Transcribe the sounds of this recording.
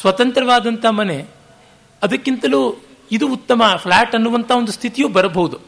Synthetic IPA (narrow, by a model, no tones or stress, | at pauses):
sʋɐt̪ɐnt̪ɾɐʋaːd̪ɐnt̪ʰɐmɐne̞ | ɐd̪ɐkːint̪ɐlu | id̪uːt̪ːɐmɐpʰlaːʈɐnːuʋɐnt̪ʰaːond̪ust̪ʰit̪ijuːbɐɾɐbɐɦud̪u